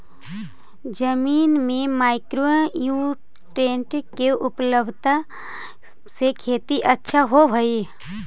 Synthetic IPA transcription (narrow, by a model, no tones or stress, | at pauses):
d͡ʒəmiːnmẽmaːɪkɾoju | ʈẽːɳʈkeʔʊpləbʱt̪a | sekʰeːt̪iʔətːʃʰaɦobʱəi